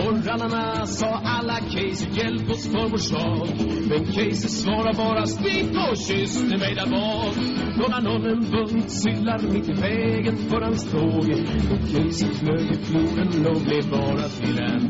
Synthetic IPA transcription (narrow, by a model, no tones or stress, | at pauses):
ɔranana | sɑːʔalːakʰɛjsəɾjɛlpɔsfɔɾmɔʂɑːkmɛnkʰɛjsəsvɑːɾaɾbɑːɾast̪ɪpɔɕʏst̪əmɛjd̪æɾbɑː | k | d̪ɔnanɔnːənbɵnd̪sʏd̪laɾmɪt̪ːɪvɛːɡənfœɾhanst̪ʰoːɡɔkʰɛjsəfløːt̪ɪkʰlubənloɡlɪbɑːɾat̪ʰɪɾɛn